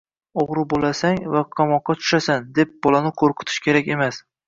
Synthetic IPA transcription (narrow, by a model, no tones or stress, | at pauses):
oʁɾɪbolasaŋvaqʰɑmɒqːɑt̪ʰʊ̥ʃasand̪e̞p̚bɒlanɪqʰoɾqʰʊ̥t̪ʰɪ̥ʃkʲe̞ɾakʲe̞mas